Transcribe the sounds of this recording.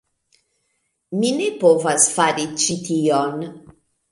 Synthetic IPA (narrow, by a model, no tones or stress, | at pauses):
minepovasfaɾit͡ʃitʰion